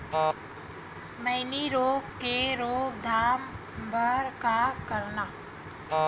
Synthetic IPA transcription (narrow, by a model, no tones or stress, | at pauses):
məɪniɾoːɡkeɾoːɡ̚d̪ʱaːm | bəɾkakəɾnaː